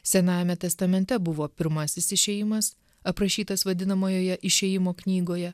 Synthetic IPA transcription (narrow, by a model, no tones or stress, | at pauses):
sʲɛnɑːjɛmʲɛt̪ʲɛst̪ɐmʲɛnʲt̪ʲɛbʊʋoːpʲɪɾmɐsʲɪsɪʃʲɛːjɪmɐs | ɐpɾɐʃʲiːt̪ɐsʋɐd̪ʲɪnɐmoːjoːjɛʔɪʃʲɛjɪmoːknʲiːɡoːjɛ